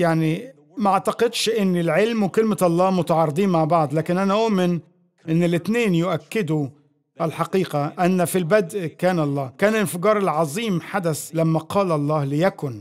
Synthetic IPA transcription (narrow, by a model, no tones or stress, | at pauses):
jaʕni | mæaʔɑʕt̪ɑqɪd̪ʃʔɪnːɪlʕelmwkɪlmɪɑlˤːɑːmʊt̪ɑʕɑːɾˤɨd̪ˤiːnmaʕbɑʕd̪ˤlæːkɪnʔænæʔʊʔmɪn | ʔɪnːɪlɪt̪neːnjʊʔækːɪd̪ʊ | ʔælħɑqiːqaʔænːfilbæd̪ʔkæːnɑlˤːɑːkæːnɪlɪnfɪɡɑːɾˤɪlʕɑzˤiːmħad̪æslæmːæqʰɑːlɑlˤːɑːhlɪjækʊn